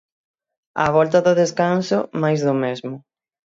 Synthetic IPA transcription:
ɐ̰βɔlt̪ɐðʊðeskansʊmajzðʊmezmʊ

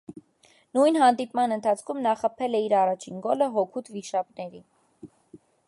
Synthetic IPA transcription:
nujnɦɑnd̪ipmɑnənt̪ʰɑt͡sʰkʰumnɑχəpʰɛlɛiɾɑrɑt͡ʃʰinɡɔləɦɔkʰut̪ʰviʃɑpnɛɾi

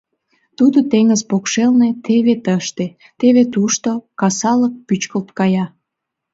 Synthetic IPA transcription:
t̪ud̪ot̪eŋəzpokʃelnet̪eβet̪əʃt̪e | t̪eβet̪uʃt̪okɑsɑlək̚pyt͡ɕkəlt̪kɑjɑ

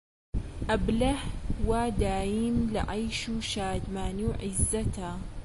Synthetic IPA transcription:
ʔablahwad̪aːjɪmlɪ̰ʕajʃuʃaːd̪maːniwʕɪzːat̪a

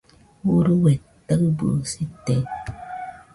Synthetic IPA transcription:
wuɾuwɛ | takbuo̰sitɛ

